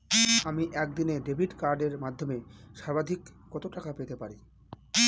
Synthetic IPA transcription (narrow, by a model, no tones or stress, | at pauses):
amiʔɛk̚d̪ineɖebʱiʈkaɾɖeɾmad̪ʱːomeʃabad̪ʱikːɔt̪oʈakapet̪epaɾi